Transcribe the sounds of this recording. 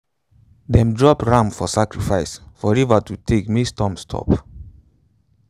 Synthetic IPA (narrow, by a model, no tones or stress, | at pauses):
dɛ̃mdɹɔpɹãmfɔsakɹifaɪsfɔɹɛvatutʰekmistɔ̃mstʰɔ̰p